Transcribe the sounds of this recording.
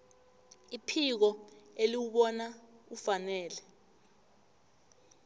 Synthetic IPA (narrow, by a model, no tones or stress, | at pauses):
ipʰik̬ɔeliwuɓɔnaufanɛːlɛ